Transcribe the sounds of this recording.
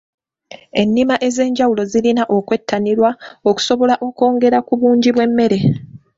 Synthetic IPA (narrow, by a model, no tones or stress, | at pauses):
e̞nːimaʔe̞ze̞ːɲɟawulo̞zilinaʔo̞kwe̞tʰːaniɾwaoku̥so̞βo̞laʔo̞ko̞ːŋɡe̞ɾakuβuːɲɟiβwe̞mːe̞ɾe̞